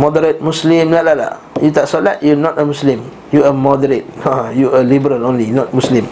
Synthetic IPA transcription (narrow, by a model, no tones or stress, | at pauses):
mɔdəɾət̚muslĩmlaʔlala̰jut̪aʔsolat̚jɔnɔtəmuslĩm | juəmɔdəɾət̚hajuəlibəɾəlõnlinɔt̚muslĩm